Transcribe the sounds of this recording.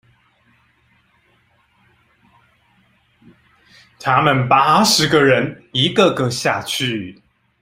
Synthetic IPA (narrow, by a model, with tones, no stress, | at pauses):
t̪ʰa˦mə˨npa˥ʂɻ̩˨˦ɡə˨ɻə˨˦ni˨˦ɡə˨ɡə˧˨ɕja˥˧t͡ɕʰy˥˨˩